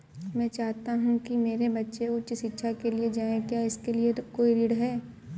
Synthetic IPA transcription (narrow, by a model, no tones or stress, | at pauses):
mɛ̃ːt͡ʃaːɦt̪aɦũkimeːɾebɐtːʃeʊtːt͡ʃʃɪtːʃʰakelied͡ʒaːẽkjaːɪskeliekoːiɾiːɽɦɛː